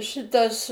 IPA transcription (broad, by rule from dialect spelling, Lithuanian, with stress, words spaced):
ˈʃʲɪtɐs